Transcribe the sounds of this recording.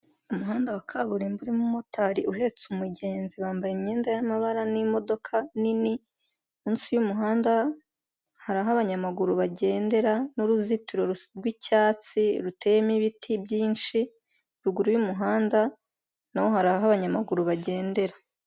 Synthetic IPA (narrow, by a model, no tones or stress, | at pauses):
umuɦaːndawakʰaβuɾimbuɾimumo̞taɾiuɦe̞t͡sumuɟe̞ːnziβaːmbajemɲe̞ːndajamaβaɾanimo̞do̞kʰanini | munsujumuɦaːnda | haɾaɦaβaɲamaɡuɾuβaɟe̞ːnde̞ɾanuɾuzituɾo̞ɾuɾɡwicaːt͡siɾute̞jemiβitʰibɟiːnʃi | ɾuɡuɾujumuɦaːnda | nawo̞ɦaɾaɦaβaɲamaɡuɾuβaɟe̞ːnde̞ɾa